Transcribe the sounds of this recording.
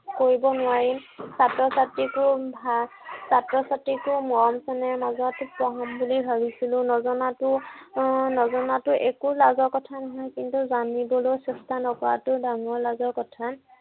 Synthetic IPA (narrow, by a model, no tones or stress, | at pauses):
koɹibɔnʊwaɹimsatɹɔsatɹikʊbʱasatɹɔsatɹikʊmɔɹɔmsɛnɛɹmazɔtpɔɦɔmbulibʱabisilʊ̃nɔzɔnatʊ | nɔzɔnatʊʔekulazɔɹkɔtʰanɔɦɔjkintuzanibɔlojsɛstʰanɔkɔɹatʊdaŋɔɹlazɔɹkɔtʰan